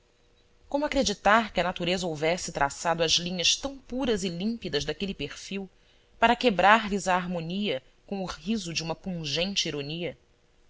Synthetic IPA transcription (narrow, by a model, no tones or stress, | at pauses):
kõmʊakɾed͡ʒit̪aɾkɪɐnat̪uɾezɐowvɛsɪt̪ɾʔa̰sad̪ʊɐzlĩɲɐʃt̪ɐ̃w̃puɾɐzɪlĩpid̪ɐzd̪akelipeχfiw | paɾɐkebɾaɾlizaːɾmõniɐ | kõw̃ʊhizʊd͡ʒɪũmɐpũʒẽnt͡ʃɪiɾoniɐ